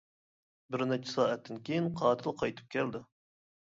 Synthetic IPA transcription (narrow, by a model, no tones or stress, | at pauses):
bɪɾnɛt͡ʃʰɪ̥sɑːɛt̪ːɪnkʲʰejinqʰɑːt̪ʰɨlˠqʰɑjt̪ʰɨ̥p̚kʲʰɛld̪ɪ